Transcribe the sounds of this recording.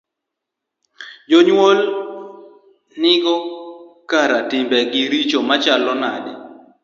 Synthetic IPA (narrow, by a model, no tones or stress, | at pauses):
d͡ʒoɲwol | nɪɡɔkaɾatɪmbɛɡɪɾit͡ʃomat͡ʃalɔnadɛ